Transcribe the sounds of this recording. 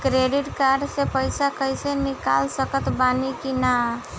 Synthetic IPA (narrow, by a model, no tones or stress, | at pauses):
kɾeɖiʈkaɾɖsepəɪsakəjsenika̰lsəkət̪banikina